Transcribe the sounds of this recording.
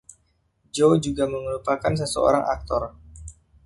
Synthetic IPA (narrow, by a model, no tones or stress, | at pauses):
d͡ʒod͡ʒuɡaməŋəɾupakans̬əsə̰o̰ɾaŋʔa̰k̚t̪ɔr